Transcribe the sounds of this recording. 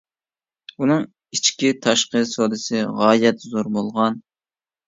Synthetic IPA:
unɨŋ | it͡ʃkʲit̪ʰɑʃqəsod̪ɨsɨʁɑːjɛt̪zoɾbolˠʁɑn

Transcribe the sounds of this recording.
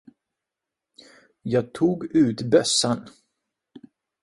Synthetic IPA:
jɑːɡ̚t̪ʰuːɡʉ̟ːt̪bœsːan

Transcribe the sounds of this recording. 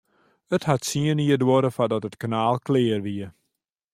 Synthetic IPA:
əthatsiəniədwoɾəfadɔtətkanaːlˠklɪərʋiə

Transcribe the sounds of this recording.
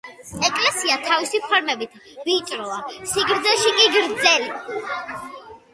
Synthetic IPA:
ɛkʼlɛsiat̪ʰavisipʰaɾmɛbit̪ʰviːt͡ʃʼɾɔasiɡɾd̪zɛʃikʼiɡɾd̪zɛli

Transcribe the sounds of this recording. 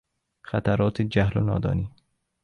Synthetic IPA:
xat̪aɾɔːt̪ʰid͡ʒaɦlʊ̰nɒ̰ːd̪ɒ̰ːniː

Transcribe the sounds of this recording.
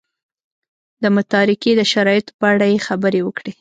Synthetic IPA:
d̪əmʊt̪ɑɾɪked̪əʃaɾɑjɪt̪o̥pəaɽajexabəɾewəkɽe

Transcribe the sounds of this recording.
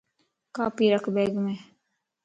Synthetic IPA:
kaːpiːɾakbɛːɡme

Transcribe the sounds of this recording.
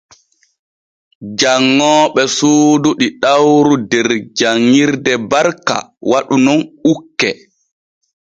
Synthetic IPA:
d͡ʒaŋːɔːɓɛsuːduɗiɗawɾudɛɾd͡ʒaŋːiɾdɛbaɾka̰waɗunɔnukːɛ

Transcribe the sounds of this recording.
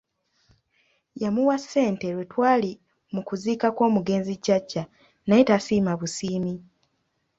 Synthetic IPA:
jamuwasːe̞ːnte̞ɾwe̞twaːli | mukuziːkakwo̞ːmuɡe̞ːnzicːacːa | najetasiːmaβusiːmi

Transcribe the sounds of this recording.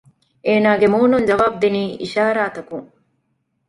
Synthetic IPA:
ʔeːnaːɡemuːnund͡ʒɐʋaːb̚d̪iniːʔiʃaːɾaːt̪ɐkuŋ

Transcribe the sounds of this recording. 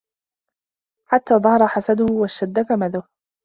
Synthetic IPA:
ħat̪ːaːd̪ˤɑhɑɾˤɑħasad̪ʊhwaʃtad̪ːakamaðʊh

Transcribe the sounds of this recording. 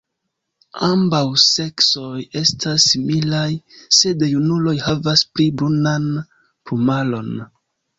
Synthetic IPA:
ambawse̞kso̞je̞stʰasːimilajse̞dejunulo̞jhavasplibɾunan | pumalo̞n

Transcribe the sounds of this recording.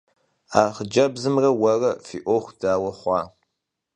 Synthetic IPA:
aːχəd͡ʒɐbzɨmrɐwɐrɐfḭːʔʷoχʷd̥aːwɐχʷɑː

